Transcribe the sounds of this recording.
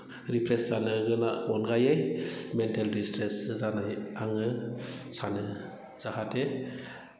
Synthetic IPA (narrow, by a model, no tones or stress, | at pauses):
ɾipʰɾeszanɯɡɯnaɡɔnɡajajmentaldistɾeszanajaŋɯsanɯ | z̥ahade